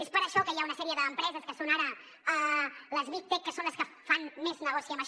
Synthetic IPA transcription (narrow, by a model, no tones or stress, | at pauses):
espəɾəʃɔkəjaunəsɛɾiəðəːmpɾɛzəskəsonaɾə | ələzβik̚t̪ekːəsonləskəfanmeznəɣɔsiəməʃ